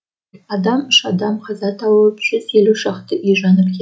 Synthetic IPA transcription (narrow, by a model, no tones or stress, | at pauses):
ɑd̪ɑməʃɑd̪ɑmqʰɑzɑt̪ʰɑwəəpʒ̥ʏzjeluʃɑχt̪əʔiʒɑnəp̚kʰʲe